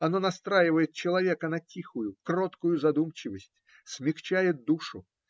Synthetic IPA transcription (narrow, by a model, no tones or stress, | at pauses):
ɐnonɐst̪ɾajɪvəjɪt̪̚t͡ɕɪlˠɐvʲekənɐtʲixʊjʊkrot̪kʊjʊzɐd̪umt͡ɕɪvəsʲtʲ | sʲmʲɪxt͡ɕæjɪt̪̚d̪uʂʊ